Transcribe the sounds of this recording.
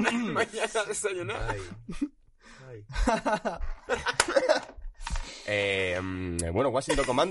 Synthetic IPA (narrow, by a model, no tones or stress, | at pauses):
amaɲanaðesaɲona | emβwenowasint̪okomãn